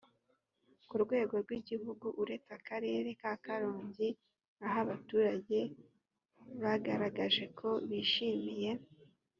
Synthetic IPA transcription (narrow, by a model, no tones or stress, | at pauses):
kuɾɡwe̞ːɡo̞ɾɡwiɟihuɡuʔuɾe̞t͡sakaɾe̞ːɾe̞kaːkaɾoːɲɟi | aɦaβatuːɾaɟe̞ | βaɡaɾaɡaʒe̞kʰo̞βiːʃimije̞